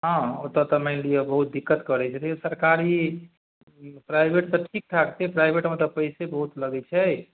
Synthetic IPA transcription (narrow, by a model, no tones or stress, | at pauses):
ɦãot̪ɔt̪əməɪnlijebəɦut̪̚d̪ikːət̪kəɾɛt͡ʃʰɛt̪esəɾkaɾi | pɾajbʱeʈt̪ɔʈʰik̚ʈʰakt̪epɾajbʱeʈmẽt̪əpəjsebəɦut̪ləɡɛt͡ʃʰɛ